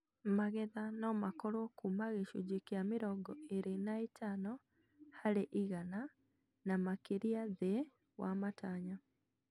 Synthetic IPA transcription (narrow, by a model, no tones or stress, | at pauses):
maɣɛðanɔmakɔɾɔkumaɣeʃud͡ʒikjamiɾɔɡɔeɾenaitʰanɔ | haɾeʔiɣana | namakeɾiaðe | wa̰mataɲa